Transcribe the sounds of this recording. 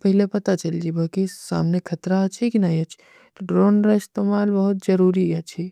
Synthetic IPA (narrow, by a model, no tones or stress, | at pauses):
pɐɦlepɐt̪at͡ʃɐld͡ʒibaːkisa̰ːmnekʰɐt̪ɾaːt͡ʃʰikinajɐt͡ʃʰ | t̪oɖɾoːnɾaɪst̪eːmaːlbɐɦʊt̪̚d͡ʒɐɾuːɾiat͡ʃʰi